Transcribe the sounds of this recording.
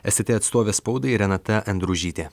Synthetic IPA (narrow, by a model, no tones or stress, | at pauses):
ɛsʲɪt̪ʲeɐt̪st̪oːʋʲeːspɒʊd̪ɐɪɾʲɛnɐt̪ɐʔɐnd̪ɾuʒʲiːt̪ʲeː